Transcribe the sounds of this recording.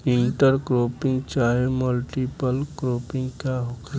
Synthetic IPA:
iɳʈəɾkɾoːpɪ̃ŋɡt͡ʃaːɦeməlʈipəlkɾoːpɪ̃ŋɡkaɦok

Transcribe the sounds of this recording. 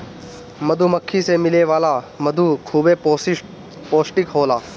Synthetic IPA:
mɐd̪ʱumɐkʰːisemɪleʋaːla | mɐd̪ʱukʰuːbe | poːsʈɪkɦoːlaː

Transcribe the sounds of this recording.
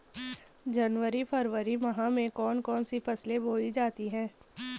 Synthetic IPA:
d͡ʒɐnʋəɾipʰɐɾʋəɾimɐɦãmẽkɔːnkɔːnsipɐsleboːid͡ʒaːt̪iɦɛ̃ː

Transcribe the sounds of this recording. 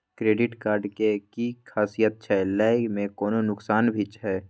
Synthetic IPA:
kɾeːɖɪʈkaːɾɖkekikʰaːsijət̪̚t͡ʃʰɛlaːɪmẽkoːnonʊksaːnbʱit͡ʃɦɛː

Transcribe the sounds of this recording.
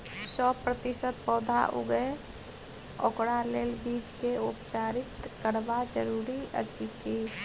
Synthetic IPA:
səbpɾət̪isət̪̚pɔd̪ʱa̰ʔṵɡe | o̰kɾalelbid͡ʒkeupt͡ʃaɾit̪kəɾbad͡ʒəɾuɾiə̰t͡ʃʰikʰi

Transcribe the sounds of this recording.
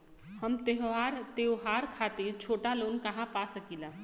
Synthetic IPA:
hɐmt̪eɦʋaːɾt̪eːwɦaːɾkʰaːt̪et͡ʃʰoːʈaloːnkɐɦãpasəkilaː

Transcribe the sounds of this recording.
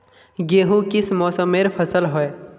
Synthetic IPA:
ɡeːɦũkɪsmɔːsəmːeːɾpʰəsəlɦɔe

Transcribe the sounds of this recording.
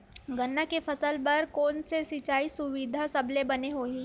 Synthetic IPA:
ɡɐnːakefɐsəlpɐɾkoːnsesɪt͡ʃaːisʊʋɪd̪ʱasɐblebɐneɦoːi

